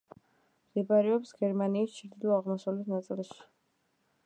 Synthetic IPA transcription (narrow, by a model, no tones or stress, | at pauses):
d̪ibaɾɛɔpsɡ̥ɛɾmaniːst͡ʃʰɾd̪ilˠɔaʁmɔsalit̪ʰnat̪sʼilˠʃi̥